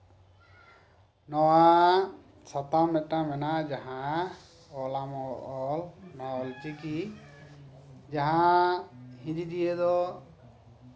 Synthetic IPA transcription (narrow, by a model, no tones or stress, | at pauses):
nɔwa | sat̪amɛtamɛnad͡ʒaɦã | ɔlamɔɔlnɔɔlt͡ʃiki | d͡ʒaɦã | hĩdid̪ijed̪ɔ